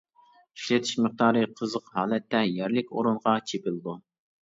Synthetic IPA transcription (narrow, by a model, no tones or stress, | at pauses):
iʃlɛt̪ʰi̥ʃməχ̚d̪ɑːɾɨqʰəzəqhɑːlɛt̪ʰːɛjɛɾlɪkʲoɾunʁɑt͡ʃʰepɪlˠd̪u